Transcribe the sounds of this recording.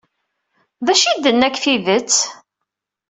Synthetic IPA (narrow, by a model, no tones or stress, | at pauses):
ðæʃid̪ənːækːfiðət͡sː